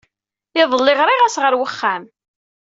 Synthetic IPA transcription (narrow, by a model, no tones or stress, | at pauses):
ɪðˤəlːɪʁɾɪʁæsʁəɾwəχːæm